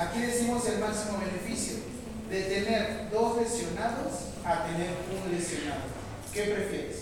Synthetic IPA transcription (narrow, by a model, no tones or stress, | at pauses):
akiðe̞simo̞se̞lmaksimo̞βene̞fisjo̰ | ðe̞t̪e̞ne̞ɾd̪o̞zlesjo̞naðos | at̪ene̞ɾunlesjo̞naðo̰ | ke̞pɾefjeɾes